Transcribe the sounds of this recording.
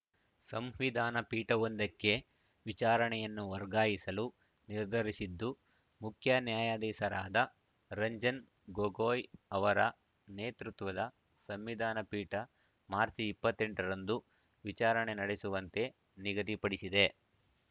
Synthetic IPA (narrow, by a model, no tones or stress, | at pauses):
sɐmʋid̪ʱaːnɐpiːʈɐond̪ɐkːe̞ | ʋit͡ʃaːɾɐɳɛjɐnːuʋɐɾɡaːjisɐlu | niɾd̪ʱɐɾisid̪ːu | mukʰjɐnjaːjaːd̪ɛːsɐɾaːd̪ɐ | ɾɐɲd͡ʒɐn | ɡoɡoːjɐʋɐɾɐ | neːt̪ɾut̪ʋɐd̪ɐ | sɐmʋid̪ʱaːnɐpiːʈɐ | maːɾt͡ʃipːɐt̪ːe̞ɳʈɐɾɐnd̪u | ʋit͡ʃaːɾɐɳe̞nɐɽesuʋɐnt̪e̞ | niɡɐt̪ipɐɽisid̪e̞